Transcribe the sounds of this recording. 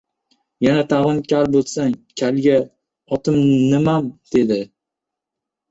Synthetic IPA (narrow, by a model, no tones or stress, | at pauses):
janat̪ʰaʁɨnkʲʰaɾbolˠsaŋkʲʰalɡʲa | ɒt̪ʰɪmnɪmamd̪̥e̞d̪ɪ